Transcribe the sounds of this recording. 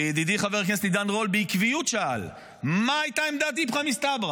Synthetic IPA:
ed̪id̪iχaveʁknestlid̪anʁo̞lbeikvijut̪ʃaal | maːjt̪aemd̪at̪̬ipχamist̪abʁa

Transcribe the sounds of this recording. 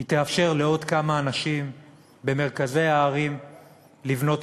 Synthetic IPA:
it̪eafʃe̞ʁleo̞d̪kamaːnaʃim | be̞me̞ʁkaze̞jaːʁim | livno̞t

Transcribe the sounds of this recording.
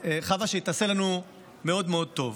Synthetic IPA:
eχavaʃejit̪ase̞lanu | me̞o̞d̪meo̞d̪̚t̪o̞v

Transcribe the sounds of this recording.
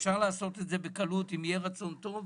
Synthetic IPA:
fʃaʁlaːso̞t̪etzebekalutimjeʁat͡so̞nt̪o̞v

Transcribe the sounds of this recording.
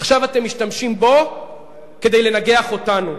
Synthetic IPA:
aχʃavate̞mːiʃtamʃimbo̞ | ke̞d̪e̞jle̞naɡe̞aχo̞tanu

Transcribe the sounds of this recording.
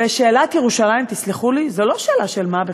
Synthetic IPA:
eʃe̞ːlat̪jeʁuʃalajimt̪it͡sliχulizolo̞ʃeːlaʃelmabe

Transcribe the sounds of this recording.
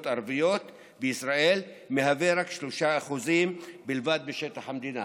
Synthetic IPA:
t̪aɾvijo̞t̪ | beisɾae̞l | meɦaveɾakʃloʃaːχuzimbilvad̪̚beʃe̞t̪aχhamd̪ina̰

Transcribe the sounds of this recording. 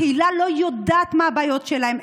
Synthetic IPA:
ilalo̞jod̪aːt̪maabaːjo̞t̪ʃelahe̞m

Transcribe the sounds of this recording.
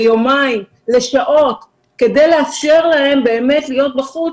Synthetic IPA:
jomaim | le̞ʃaʔo̞t | ke̞de̞jleafʃe̞ʁlahembe̞ːme̞tlijo̞t̚baχu

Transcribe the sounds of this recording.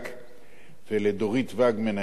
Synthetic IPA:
k | veled̪oʁit̪vaɡmena

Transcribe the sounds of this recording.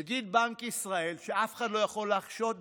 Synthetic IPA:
aɡid̪̚baŋkisʁae̞lʃeafe̥χad̪lo̞jaχo̞lːaχʃot̪̚

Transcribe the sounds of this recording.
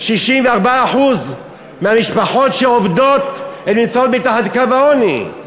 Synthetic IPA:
ʃiʃimveaʁbaːħuz | mehamiʃpaħo̞tʃeovdo̞t̪etmimt͡saot̪mitaħad̪kavaonḭ

